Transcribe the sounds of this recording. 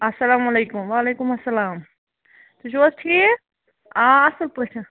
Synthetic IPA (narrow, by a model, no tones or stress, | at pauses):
ɐsɐlaːmɐleːkʊmʋaːleːkumɐsːɐlaːm | t̪uʃoːst̪ʰi | ãɐsɐlpuʈʰɐ